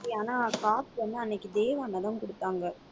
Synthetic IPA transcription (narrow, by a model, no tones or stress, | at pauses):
ɪaːnaːkaːtʋɐnd̪ɯɐnːɛkːɯd̪eːʋaːnɐðɐmkʊɽɯt̪ːaːŋɡɐ